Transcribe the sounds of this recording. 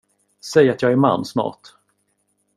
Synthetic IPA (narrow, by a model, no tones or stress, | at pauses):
sɛjat̪jɑːɡæɾma̰nːsmɑ̰ːt